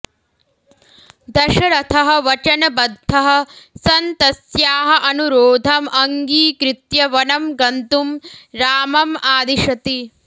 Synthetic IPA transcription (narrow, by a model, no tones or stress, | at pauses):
d̪ɐʃɐɾɐt̪ʰɐɦɐ̆ʋɐt͡ʃɐnɐbɐd̪ʱːɐɦɐ̆sɐnt̪ɐsjaːɦɐ̆ʔɐnuɾoːd̪ʱɐmʔɐŋɡiːkɾɪt̪jɐʋɐnɐmɡɐnt̪umɾaːmɐmaːd̪iʃɐt̪i